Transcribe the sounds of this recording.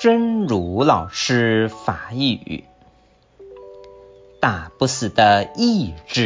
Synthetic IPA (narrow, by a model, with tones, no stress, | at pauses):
ʈ͡ʂə˥nɻu˧˥lɑ˨˩ʊʈ͡ʂʰɻ̩˥fa˨˧˩y̰˨˩˦ | t̪a˨˩pu˥sɹ̩˨˩d̪ə˦i˥˧ʈ͡ʂɻ̩˥˩